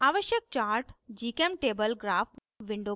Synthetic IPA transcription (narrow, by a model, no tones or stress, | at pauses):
aːʋəʃjək̚t͡ʃaːɾʈd͡ʒiːkemʈeːbəlɡɾaːf | ʋɪɳɖoː